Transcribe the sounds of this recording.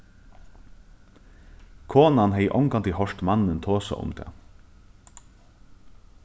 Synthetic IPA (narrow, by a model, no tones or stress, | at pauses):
kʰoːnanɦɛjʔɔŋkant̪ɪhɔʂt̪manːɪnt̪ʰoːsa̰ʔʊ̰mt̪ʰɛ̰ː